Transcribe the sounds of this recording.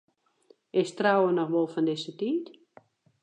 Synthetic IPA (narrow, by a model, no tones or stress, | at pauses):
ɪstrawənɔxʋɔlˠfɔndɪsətiːt